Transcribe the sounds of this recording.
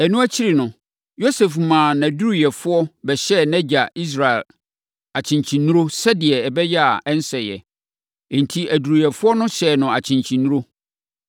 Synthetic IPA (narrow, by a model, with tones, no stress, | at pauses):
ɛ˨nũ˦æ˦t͡ɕʰi˦ɾi˨nʊ̃˨ | jo˦se˨fmãː˨næ̃˨du˦ɾi˨jɛ˨fʊ˦ɔ˦bɛ˨ɕɛ˦˨nɛ̃˦d͡ʑa˨i˦s̬ɾa˨ɪ˨l | a˨t͡ɕʰɪ̃˨ɲt͡ɕʰĩ˨nːũ˦ɾo˦sɛ˦dɪ˨ɛ˨ɛ˨bɛ˦jɛ˦a˨ɛ˦n˦sɛ˨jɛ̰̃˨ | n̩˨tʰi˦ʔæ˨du˨ɾi˨jɛ˨fʊ˦ɔ˦nʊ̃˦ɕɛː˨nʊ̃˨a˨t͡ɕʰɪ̃˨ɲt͡ɕʰĩ˨nːũ˦ɾo˦